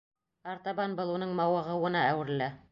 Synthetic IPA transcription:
ɑɾt̪ɑβɑnbɤlˠunɤɴmɑwɤ̆ʁɤwɤ̆nɑæwɘ̆ɾlæ

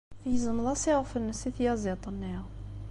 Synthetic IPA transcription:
jəzəmðˤɑsiʁfənːəsiθjæzit̪ˤənːiʁ

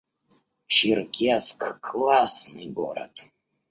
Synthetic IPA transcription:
t͡ʃirkʲʰiaskʰkʼlasnḭɡo̰ɾa̰tʰ

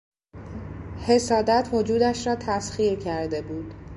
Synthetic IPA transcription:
he̞sɒːd̪æt̪ʰho̞d͡ʒuːd̪æʃɾɒːt̪ʰæsxiːecʰæɾd̪e̞buːd̪̥

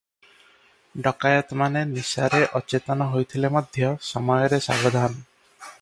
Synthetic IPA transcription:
ɖɔkajɔt̪manenisaɾeʔɔt͡ʃet̪ɔnɔɦojt̪ʰilemɔd̪ʱjɔsɔmɔjɔɾesa̰bɔd̪ʱanɔ

